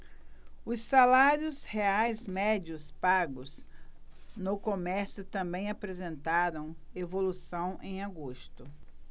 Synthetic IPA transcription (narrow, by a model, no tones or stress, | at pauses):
ʊsːalaɾʊsheajzmɛd͡ʒʊspaɡʊs | nʊkomɛɾsjʊt̪ɐ̃mbẽj̃apɾezẽnt̪aɾɐ̃w̃evolusɐ̃w̃ʔẽj̃aɡoʃt̪ʊ